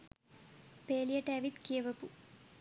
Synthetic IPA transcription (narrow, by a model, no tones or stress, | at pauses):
peːlijɐʈeːʋit̪keːʋɐpu